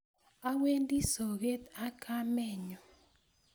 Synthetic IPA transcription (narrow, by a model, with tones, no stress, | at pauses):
a˦we˦ndi˦so˨ɣe˦t̪a˦kʰa˦mɛ˦˨ɲɔ˨